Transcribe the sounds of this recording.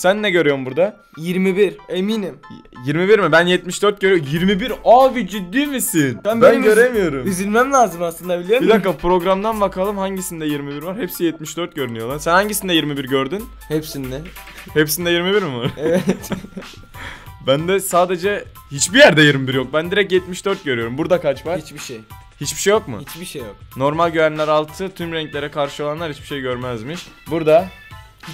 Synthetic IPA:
sænːɛɟøɾyjo̞ɾmbuɾd̪a | jiɾmibiɾemiːnim | jiɾmibiɾmibænjɛt̪miʃd̪øɾt̪̚ɟøɾyjojiɾmibiɾavid͡ʒyd̪ːyːmisinbænɟø̞ɾe̞mijo̞ɾumizilʲmæmlʲaːzɯmaslˠɯnd̪abilʲijoɾbid̪akːapɾo̞ɡɾamd̪anbakʰalˠɯmhaɲɟisind̪ɛjiɾmibiɾvaɾhepsijɛt̪miʃd̪øɾt̪̚ɟø̞ɾynyjo̞lˠaɾsænhaɲɟisind̪ɛjiɾmibiɾɟø̞ɾd̪yn | hepsind̪ɛ | hepsinid̪ɛjiɾmibiɾmivaɾevɛt̪ | bænd̪ɛsaːd̪e̞d͡ʒɛ | hit͡ʃbijæɾd̪ɛjiɾmibiɾjo̞k̚bænd̪iɾɛc̬̚jɛt̪miʃd̪øɾt̪̚ɟøɾyjo̞ɾumbuɾd̪akʰat͡ʃvaɾit͡ʃbiʃej | hit͡ʃbiʃejokmʊ̰ibiʃeokno̞ɾmalʲɟyvænlʲæɾalˠt̪ʰɯt̪ʰymɾɛɲclʲe̞ɾɛkʰaɾʃɯo̞lˠanlˠaɾhit͡ʃbi̥ʃejɟø̞ɾmɛzmiʃbuɾd̪a

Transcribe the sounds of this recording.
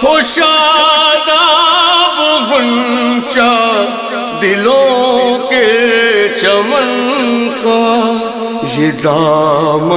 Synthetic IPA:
kʰoʃaːd̪a | bbʊnt͡ʃa | d̪ɪlõke | t͡ʃɐmɐnka | jed̪aːm

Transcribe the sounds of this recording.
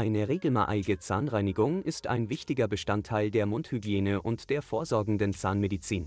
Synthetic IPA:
ʔaɪnəʁeːɡl̩ma̰ːʔɪɡət͡saːnʁaɪnɪɡʊŋʔɪstʔa̰ɪnvɪçtɪɡɐbəʃtantʰːaɪldeːɐmʊnthyɡjeːnəʔʊntd̥eːɐfoːɐzɔɐɡŋ̩dənt͡saːnmedit͡siːn

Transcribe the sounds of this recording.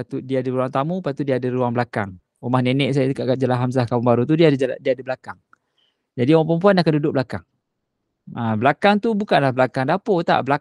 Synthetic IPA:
pat̪udiaːdəɾuaŋt̪amupat̪udiaːdəɾuaŋbəlaka̰ŋ | umahnenɛʔs̬ajakaʔkad͡ʒalaɦams̬ahkauŋbaɾut̪̬udiadiaːdabəlakaŋ | d͡ʒadiumahpəmp̬uanakandudʊk̚blaka̰ŋ | ablakaŋt̪ubukanlahbəlakaŋdapot̪a̰ʔbəla

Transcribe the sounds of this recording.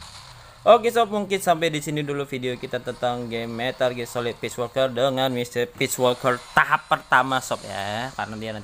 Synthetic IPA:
ʔokesɔp̚muŋkɪnsampajdisinidulufideokit̪at̪ənt̪aŋɡemet̪arɡesolɪt̪̚piswɔlkərdəŋanmist̪irpiswɔlkərt̪aɦapːərt̪amasɔp̚ja̰karənadiana

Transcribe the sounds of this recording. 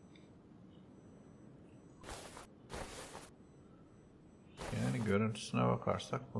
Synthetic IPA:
jæːniɟø̞ɾynt̪ʰy̥synɛ̰bakʰa̰ɾsak̚bu

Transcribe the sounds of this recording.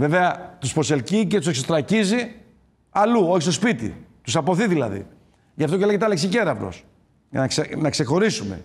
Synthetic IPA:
ve̞ve̞ɐt̪uspo̞se̞lcicet̪useksot̪ɾɐcizi | ɐluo̞çist̪o̞spit̪ḭt̪usɐpo̞θiðilɐ̰ðḭ | ʝɐft̪o̞celeɣet̪eɐleksice̞ɾɐvɾo̞̰s | ʝɐ̰nɐksenɐkse̞xo̞ɾisume̞̰

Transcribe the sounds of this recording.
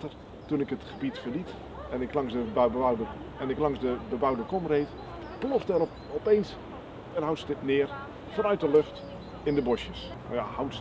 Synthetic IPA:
tər | tunɪkətχəbitfərlit | ɛnɪklɑŋsdəbwdə | ɛnɪklɑŋsdəbəbawdəkɔmrejt | plɔftɛr | ɔpejns | ɛrɦawtsə̥tɪtnɪər | fonœɥt̚dəløxt | ɪndəbɔsjəs | na̰jahawts

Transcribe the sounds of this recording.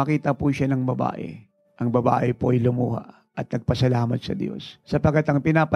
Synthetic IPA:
ɐkiːt̪ɐpuʃanɐŋbɐba̰ːʔɛ̰ | ʔɐŋbɐba̰ːʔɛpoʔɐjlʊmuːha̰ʔ | ɐt̪̚nɐɡ̚pɐsɐlaːmɐt̪̚sɐ̰d̪jo̞̰sːɐpɐkːat̪ɐŋpɪnaːpɐ

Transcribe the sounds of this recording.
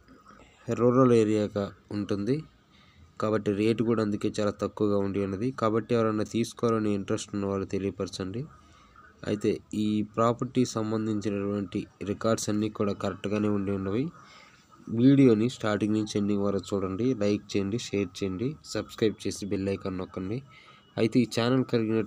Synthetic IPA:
ɾuːɾɐleːɾijaːɡaːuɳʈund̪i | kaːbɐʈːiɾe̞ːʈkuːɽaːɐnd̪uke̞ːt͡ʃaːlaːt̪ɐkːuʋɐɡaːuɳɖiɐnːɐd̪ikaːbɐʈːiɛʋɐɾɐnːaːt̪iːsu̥kɔʋalɐnːiiɳʈɾesʈunːɐʋaːlːut̪e̞lijɐpɐɾsɐɳɖi | ɐ̰jit̪e̞ːiːpɾaːpɐɾʈisɐmbɐnd̪ʱiɲt͡ʃinɐʈuʋɐɳʈiɾikaːɾɖsɐnːiːkuːɽaːkɐɾek̚ʈɡaːne̞ːuɳɖiuɳnːɐʋi | ʋiːɽijo̞ːnisʈaːɾʈiŋɡnuɲt͡ʃeɖːiŋɡʋaːɾɐt͡ʃuːɽɐɳɖilɐjk̚t͡ʃeːɳɖiʃeːɾt͡ʃeːɐɳɖisɐbskɾɐjp̚t͡ʃe̞ːsibilːɐjkɐnɔkːɐɳɖi | ɐjit̪e̞ːiːt͡ʃaːnɐlkɐliɡinɐ

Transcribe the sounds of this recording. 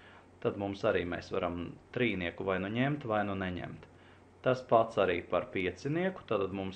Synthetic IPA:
t̪ad̪mumsaɾiːmɛːsʋaɾamt̪ɾiːniɛkuvajnuɲemt̪vajnuneɲḛmt̪ | t̪ːaspat̪saɾḭːpaɾpiɛt̪siniɛku̥t̪at̪ad̪mums

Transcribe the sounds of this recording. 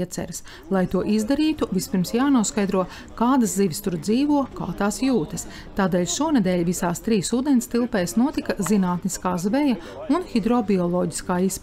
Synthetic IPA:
ɛt̪sɛ̰ɾɐs | lˠajt̪uɔʔizd̪aɾiːt̪uvispiɾmsjaːnuɔskajd̪ɾuɔ | kaːd̪ɐsd̪iʋʲist̪uɾd̪ziːʋuɔka̰ːt̪aːsjuːt̪ɐs | t̪aːd̪eːlʲʃuɔnɛd̪ɛːlʲvisaːst̪ɾiːsuːd̪ɛnst̪ilˠpɛːjsnuɔt̪ikɐzinaːt̪niskaːzvɛja | unxid̪ɾɔbiɔlˠɔːɟi̥skaːisp

